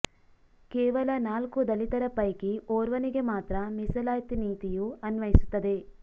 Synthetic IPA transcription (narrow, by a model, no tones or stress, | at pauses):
kɛːʋɐlɐnaːlkud̪ɐlit̪ɐɾɐpɐjkioːɾʋɐniɡe̞maːt̪ɾɐmisɐlaːjt̪iniːt̪ijuɐnʋɐjisu̥t̪ːɐd̪e̞